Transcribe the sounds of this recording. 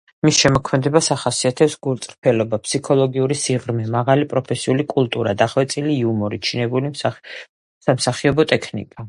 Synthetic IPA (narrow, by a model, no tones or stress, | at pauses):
misʃɛmɔkʰmɛd̪ɛbasaχasiat̪ʰɛpsɡ̥ulˠt̪sʼɾpʰɛlɔbapʰsikʰɔlˠɔɡiuɾisiʁɾmɛmaʁalipʼɾɔpʰɛsiulikʼulˠt̪ʼuɾad̪aχwɛt̪sʼiliːumɔɾit͡ʃʰinɛbuli | samsaχiɔbɔt̪ʼɛkʰnḭkʼa